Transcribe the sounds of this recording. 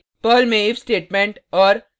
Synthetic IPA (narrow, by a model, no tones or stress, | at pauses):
pəːlmeːʋsʈeːʈmẽɳʈɔːɾ